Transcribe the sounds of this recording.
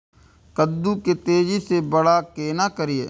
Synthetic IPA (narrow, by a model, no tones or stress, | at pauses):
kəd̪ːuket̪eːd͡ʒisebəɽaːkeːnaːkəɾijḛː